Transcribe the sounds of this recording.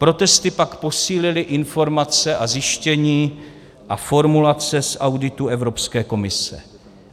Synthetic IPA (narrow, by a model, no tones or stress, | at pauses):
pɾo̞t̪ɛst̪ɪpakpo̞siːlɪlɪʔɪnfo̞ɾmat͡sɛʔazɪʃcɛɲiː | ʔafo̞ɾmulat͡sɛsawdɪt̪uɛvɾo̞pskɛːko̞mɪsɛ̰